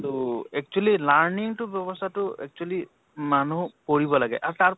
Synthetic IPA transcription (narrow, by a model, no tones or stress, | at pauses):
tuɛk̚t͡ʃualilaɹniŋtʊbjɔbɔstʰatʊɛ̰k̚t͡ʃuali | manukoɹibɔlaɡɛ̰ʔaɹutaɹ